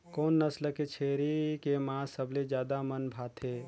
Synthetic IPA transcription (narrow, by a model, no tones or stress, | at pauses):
koːnːəsləket͡ʃʰeːɾikemãːsəbled͡ʒjaːd̪amənbʱaːt̪ʰɦeː